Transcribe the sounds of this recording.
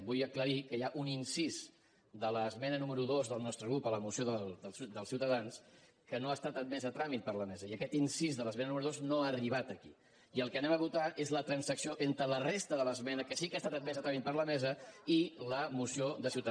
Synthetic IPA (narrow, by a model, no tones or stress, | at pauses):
bujəkləɾikəjaʔuninsiz | d̪ələzmɛnənuməɾuðozðəlˠnɔst̪ɾəɣɾupələmusioðəld̪əsd̪əlˠsiwt̪əðans | kənoast̪at̪ət̪̚mɛzət̪ɾamit̪̚pəɾləmɛzəiəkɛt̪insizðələsmɛnənuməɾuðoznoariβ̞at̪əki | iəlˠkənɛməβut̪aʔezlət̪ɾənsəksioʔent̪ɾələrest̪əðələzmɛnəkəsikast̪at̪ət̪̚mɛzət̪ɾamit̪̚pəɾləmɛzəiləmusioðəsiwt̪